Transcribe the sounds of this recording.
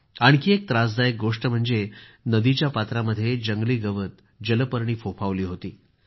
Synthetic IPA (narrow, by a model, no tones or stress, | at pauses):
aɽ̃kiːek̚t̪ɾad͡zd̪ajek̚ɡoʂʈəm̤əɳd͡zenəd̪it͡ɕjapat̪ɾaməd̪ʱːjed͡ʑəŋɡliːɡəʋət̪̚ | d͡ʑələpəɾɳ̃iːfopʰaʋliːɦot̪iː